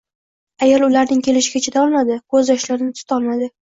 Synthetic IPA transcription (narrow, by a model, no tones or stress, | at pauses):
ajɒlˠʊlaɾnɪŋkʲʰe̞lɪʃɪɡʲat͡ʃʰet̪aɒlˠmad̪ɪkʰɵzjɒʃlaɾɪnɪt̪ʰʊ̥t̪ʰɒlˠmad̪ɪ